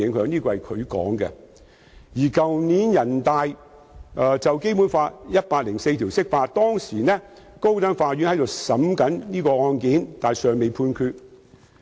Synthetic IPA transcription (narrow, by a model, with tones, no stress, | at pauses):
ɪ˨˧˥ŋhœː˧˥ŋniː˥kɔː˧hɐ˨jkʰɵ˨˧ɥkɔ̰ː˨˥ŋkɛ̰˧ | jiː˨˩kɐ˨wniː˨˥njɐ˨˩nt̪aː˨j | ʔɛː˨˧t͡sɐ˨wke˥jmuː˨˥nfaː˧tjɐ˥t̚paː˧k̚lɪ˨˩ŋse˧jt̪ʰiː˨˩wsɪ˥k̚faː˧t̚t̪ɔː˥ŋsiː˨˩nɛː˥ko˥wt̪ɐ˥nfaː˧jɥyː˨˥nhɐ˨˥jt̪o˨wsɐ˨˥mkɐ˨˥nniː˥kɔː˧ɔː˧nkiː˨˥nt̪aː˨jsœː˨ŋme˨˧jpʰuː˧nkʰyː˧t̚